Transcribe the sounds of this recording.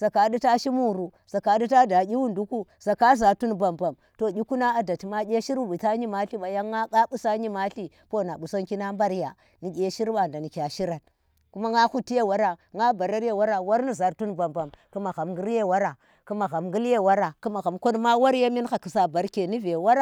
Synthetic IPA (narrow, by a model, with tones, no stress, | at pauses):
z̥a˨ka˨di˦ta˦ʃi˦mu˦˨ɾu˨ | z̥a˨ka˨di˦ta˦da˨ɡʲi˦wu˦ndu˦ku˦z̥a˨ka˦za˨ɾtu˦nba˨mba˨m | to˨ɡʲi˦ku˦na˦a˨da˨ti˨ma˦ɡʲe˦ʃi˦ɾu˦bi˨ta˦ɲi˦ma˦ɬi˦ɓa˨ja˦ŋa˦ka˦bu˦sa˦ɲi˦ma˦ɬi˦ | po˦˨na˨ɓu˨so˦ŋki˦na˦mba˦ɾja˨ | ni˨ɡʲe˦ʃi˦ɾba˨nda˨ni˨kʲa˨ʃi˦ɾa˨t | ku˦ma˦ŋa˦xu˦tːi˦je˦˨wa˦ɾa˨ŋa˦ba˨ɾa˦ɾje˦wa˦ɾa˨wa˦ɾni˦za˨ɾtu˦nba˨mba˨mku˦ma˨ɣa˨mɡi˦ɾje˦˨wa˦ɾa˨ | ku˦ma˨ɣa˨mɡu˦lje˦˨wa˦ɾa˨ku˦ma˨ɣa˨mko˦n˦ma˦wa˦ɾja˦mi˦nxa˨ki˨sa˨ba˨ɾke˨ni˦ve˨wa˦ɾa˦˨